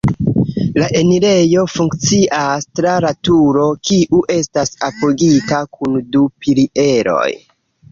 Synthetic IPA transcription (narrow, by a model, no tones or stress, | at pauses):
laʔe̞niɾe̞jo̞fuŋkt͡siʔastɾaɾatuɾo̞kiʔuʔe̞stasapoɡikakundupiɾiʔe̞ɾo̞̰j